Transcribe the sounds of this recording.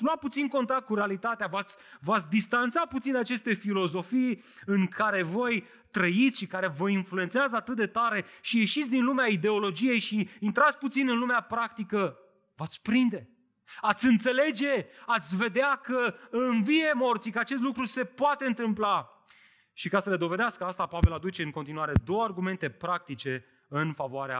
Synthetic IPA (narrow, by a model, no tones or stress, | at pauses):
sluat̪̚put̪sinko̞nt̪ak̚t̪̚kuɾealit̪at̪eavat̪sʲvat̪sʲd̪ist̪ant̪saput̪sinat͡ʃe̞st̪e̞filo̞zo̞fij | ɨŋkʰaɾe̞vo̞j | t̪ɾəit̪sʲʃikaɾe̞vəinflue̞nt̪seazəat̪ɨt̪̚d̪e̞t̪aɾe̞ʃije̞ʃit̪sʲd̪inlumeaid̪e̞o̞lo̞d͡ʒije̞jʃiːnt̪ɾat̪sʲput̪sinɨnlumeapɾak̚t̪ikə | vat̪sʲpɾind̪e̞ | at̪sʲɨnt̪se̞le̞d͡ʒe̞at̪sʲve̞d̪eakəɨnvije̞mo̞rt̪sikəat͡ʃe̞st̪lukɾuse̞poat̪e̞ɨnt̪ɨmpla | ʃikasəle̞d̪o̞ve̞d̪easkəast̪apave̞lad̪ut͡ʃe̞ɨŋko̞nt̪inuaɾe̞d̪o̞wəarɡume̞nt̪e̞pɾak̚t̪it͡ʃe̞ | ɨnfavoaɾea̰